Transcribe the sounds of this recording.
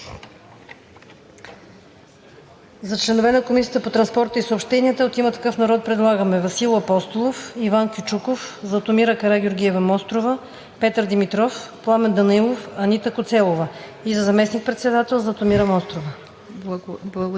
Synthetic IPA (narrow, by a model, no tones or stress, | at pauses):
zɐt͡ʃlɛnovɛnɐkomis̬ʲiət̪əpot̪ɾɐnspɔɾt̪əisoopʃt̪ɛniət̪əot̪imət̪ɐ̥kɤfnɐɾɔt̪̚pɾɛd̪lˠaɡəmɛvɐsilˠɐpɔst̪olˠofivankʲit͡ʃukofzɐt̪omiɾəkɐɾaɡʲoɾɡʲiɛvɐmɔst̪ɾovə | pɛt̪əɾd̪imit̪ɾɔfplˠamɛnd̪ɐnilˠofɐnit̪əkot̪sɛlˠovəizɐzɐmɛsnik̚pɾɛt̪sɛd̪at̪ɛlˠzɐt̪omiɾəmɔst̪ɾovə